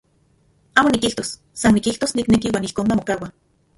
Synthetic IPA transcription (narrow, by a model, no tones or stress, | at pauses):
aːmonikiht̪osː | anːikilt̪osniknekiwaːnihkoːnmamokawa